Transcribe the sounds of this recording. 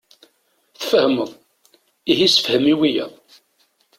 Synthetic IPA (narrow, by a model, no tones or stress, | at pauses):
θəfəhəməðˤ | ihisə̥fhəmiwijæ